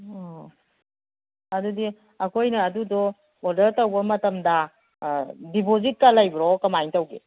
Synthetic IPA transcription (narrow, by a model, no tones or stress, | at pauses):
ɔ | ɐdudi | ɐkʰojnɐːdudɔ | ɔdɐɾtɐwbɐmɐtɐmdɐ | dipozit̚kalajbɾɔkɐmajntɐwɡḛ